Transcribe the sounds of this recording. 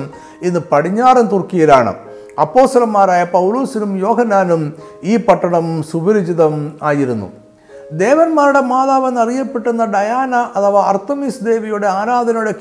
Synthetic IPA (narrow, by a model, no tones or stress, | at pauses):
m | inːɨpɐɽiɲːaːrɐnt̪urkːijilaːɳɨ̰ | ɐpːo̞ːst̪ɐlɐmːaːɾaːjɐpɐwloːsinumjo̞ːɦɐnːaːnum | iːpɐʈːɐɳɐmsubiɾid͡ʑiðɐmaːjiɾunːṵ | d̪e̞ːʋɐnmaːɾuɽe̞maːðaːʋɐnːɐrijɐpːe̞ʈːunːɐɖɐjaːnɐʔɐt̪ɐʋaɐrt̪ɐmiːsd̪e̞ːʋijuɽe̞aːɾaːd̪ʱɐnɐmjuɽe̞k